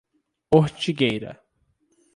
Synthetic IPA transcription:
oɾt͡ʃiɡejɾɐ̰

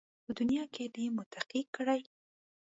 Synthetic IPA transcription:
pəd̪ʊnjɑked̪emʊt̪aqikːəɽaj

